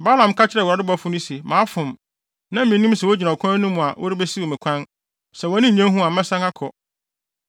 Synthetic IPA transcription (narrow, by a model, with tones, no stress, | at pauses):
ba˦lã˨m˨kʰa˦t͡ɕʰɪ˦ɾɛ˨u˨ɾa˨dɪ˦bɔ˦fʊ̃˦nʊ̃˦se˨mãː˨˦fʊ̃˨m | nã˦mĩ˨nũ˦sɛ˨o˦d͡ʑi˨nã˨ɔ˨kʰã˦nũ˦mũ˨a˨wʔɔ̰˦ɾɪ˦bɛ˦si˦wɔ˨mɪ̃˨kʷʰã˦n | sɛ˨wɔ˨˦nɪ̃˦˨ɲã˦ɦũ˦a˨mɛ̃˦sã˦ŋa˦kʰɔ˨